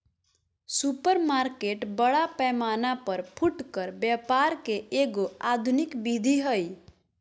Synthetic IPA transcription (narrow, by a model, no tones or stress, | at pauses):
supəɾmaɾkeʈbəɽapɛmanapəɾpʰuʈkəɾbjapaɾkeeɡoad̪ʱunikbid̪ʱiɦəj